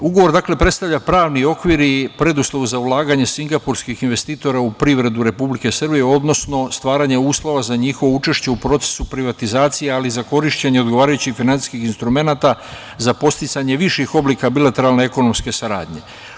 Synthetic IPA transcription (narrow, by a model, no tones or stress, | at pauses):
uɡo̞ʋo̞ɾd̪akle̞pɾe̞t̪st̪avʎapɾaːʋnio̞kʋiɾipɾe̞d̪uslˠo̞ʋzaulaːɡaɲe̞siŋɡapuɾskixinʋe̞st̪iːt̪o̞ɾaupɾiʋɾe̞d̪uɾe̞publike̞sərbije̞o̞d̪no̞sno̞st̪ʋaːɾaɲe̞uːslˠo̞ʋazaɲixo̞ʋout͡ʃe̞ʃt͡ɕe̞upɾo̞t̪se̥supɾiʋat̪izaːt̪sijealizako̞ɾiʃt͡ɕeɲeo̞d̪ɡo̞ʋaːɾajut͡ɕixfinant̪i̥skixinst̪ɾume̞naːt̪a | zapo̞st̪it̪saɲe̞ʋiʃixo̞bliːkabilat̪e̞ɾalne̞eko̞no̞mske̞saɾa̰ːd̪ɲe̞̰